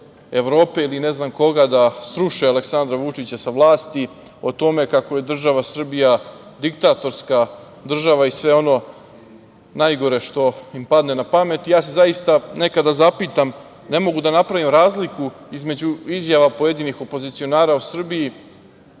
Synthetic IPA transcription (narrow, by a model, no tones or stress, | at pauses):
e̞ʋɾo̞ːpe̞ilineznamko̞ɡad̪asɾuʃealeksand̪ɾaʋut͡ʂit͡ɕasaʋlˠaːst̪i | o̞t̪o̞me̞kako̞je̞d̪r̩ʒaʋasr̩bijad̪ikt̪aːt̪o̞ɾska | d̪r̩ʒaʋaisʋe̞o̞no̞ | najɡo̞ɾe̞ʃt̪o̞impad̪ne̞napame̞t̪ijaːse̞zajist̪ane̞kad̪azapiːt̪am | ne̞mo̞ɡud̪anapɾaʋimɾaːzliku | izme̞d͡ʑuizjaʋapo̞jed̪inixo̞po̞zit̪sio̞naːɾausr̩biji